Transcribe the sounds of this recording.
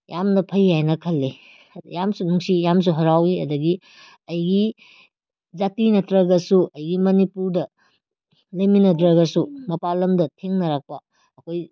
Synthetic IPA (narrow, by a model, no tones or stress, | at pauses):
jamnɐpʰɐjhajnɐkʰɐlːe | jamsunuŋsijams̬uɦɐɾawiɐ̰dɐɡi | ɐjɡi | zatinɐtɾɐɡɐsuʔɐjɡimɐnipuɾdɐ | lɐjminɐdɾɐɡɐsumɐpalɐmdɐtʰeŋnɐɾak̚pɐː | kʰoj